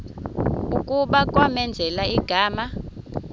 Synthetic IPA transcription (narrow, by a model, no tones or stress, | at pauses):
ukʼuɓakʼwamɛnd͡zʱɛlaiɡ̥ʱaːma